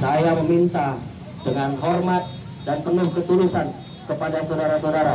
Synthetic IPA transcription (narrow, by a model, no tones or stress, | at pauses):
sajaməmint̪a | dəŋanɦɔrmat̪̚ | dant̪ənʊhkət̪ulusan | kəpadasawdaɾasawdaɾa